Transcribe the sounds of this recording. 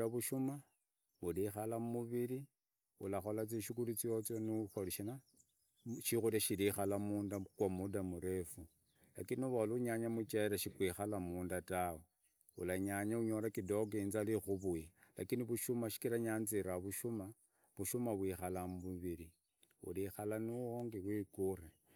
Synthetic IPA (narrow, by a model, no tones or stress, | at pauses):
aβuʃuma | βulixalammuβili | ṵlaxo̞lat͡siʃikulit͡siot͡sonuxoliʃina | ʃixuɾaʃilixalamuːndakwamudamuɾe̞fu | lakiniuβaluɲaɲamut͡ʃeɾaʃikwixalamuːndatawe | ṵlaɲaɲauɲo̞ɾakidoɡinzalixuβujila̰kiniβuʃumaʃi̥kilaɲanziɾaβuʃuma | βuʃumaβwixalamβuβiɾi | ṵlixalanuoŋɡiwikure